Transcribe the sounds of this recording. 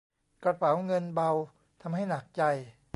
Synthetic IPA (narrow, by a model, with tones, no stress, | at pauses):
kɾa˧pʰa˩˦wŋɤ˧nba˧w | t̪ʰa˧mɦa˥˩jna˨˩k̚t͡ɕa˧j